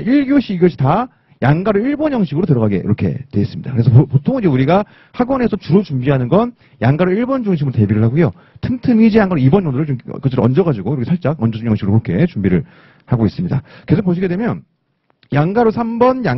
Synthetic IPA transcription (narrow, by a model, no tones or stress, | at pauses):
iɭɡjoɕʰiːɡʌɕʰi̥ta | jaŋɡaɾoiɭbʌnjʌŋɕʰiɡɯɾotɯɾʌɣaɡe̞̰ḭɾʌkʰe̞̰twe̞ɦes͈ɯmɲid̥akɯɾe̞sʰʌpotʰoŋind͡ʑeuɾiɡa | haɡwʌne̞sʰʌt͡ɕuɾot͡ɕumbiɦanɯnɡʌn | jaŋɡaɾoiɭbʌnd͡ʑuŋɕ̬ʰimɯɾote̞biɾɯɭɦaɡujo | tʰɯmtʰɯmid͡ʑijaŋɡaɾoibʌnʌnɯɾɯɭt͡ɕom̰kɯt͡ɕ͈ʰeɾʌnd͡ʑʌɣad͡ʑiɡoiɾkʰesʰaɭt͡ɕ͈akʌnd͡ʑʌd͡ʑumjʌŋɕʰiɡɾopokʰe̞t͡ɕumbiɾɯɭ | haɡois͈ɯmɲida̰ke̞sʰokpoɕ̬ʰiɡe̞dwe̞mjʌn | jaŋɡaɾosʰambʌnja